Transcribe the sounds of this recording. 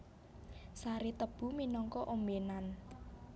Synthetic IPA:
saɾit̪əb̥ṳminɔŋkɔʔomenan

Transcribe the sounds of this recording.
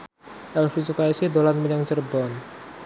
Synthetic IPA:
ʔɛlfisukaisihd̪olanməɲaŋt͡ʃərbɔn

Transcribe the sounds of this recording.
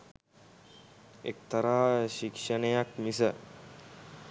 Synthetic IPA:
ḛk̚t̪ɐɾaːʃikʂənəjakmisə

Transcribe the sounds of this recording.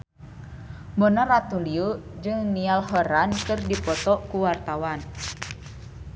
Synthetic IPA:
bɔnarat̪uliud͡ʒɨŋnialɦɔɾankɨrdipɔt̪ɔʔkuwart̪awan

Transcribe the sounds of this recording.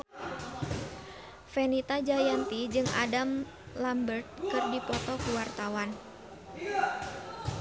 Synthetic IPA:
fenit̪ad͡ʒajant̪id͡ʒɨŋa̰dam | lambərt̪̚kɨrdipɔt̪ɔkuwart̪awan

